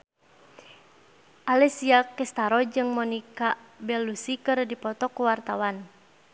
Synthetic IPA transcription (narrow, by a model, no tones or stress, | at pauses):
ʔalɛsiakɛst̪aɾɔd͡ʒɨŋmɔnikabɛlusikɨrdipɔt̪ɔkuwart̪awan